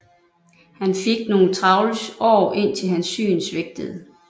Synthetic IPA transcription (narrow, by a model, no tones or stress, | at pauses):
hænfe̝ɡ̥̚no̝ːt͡sʰʁɑ̈ʊləsɒ̰ːʔe̝n̰t͡sʰe̝lɦænsːy̰ːnsʋeɡ̥̚d̥əð̞̩ˠ